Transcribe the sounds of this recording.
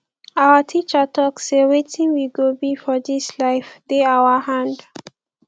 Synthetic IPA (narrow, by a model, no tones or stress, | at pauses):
awətʰit͡ʃətʰɔksewetĩŋwiɡobifɔðislaɪfdeawəhãnd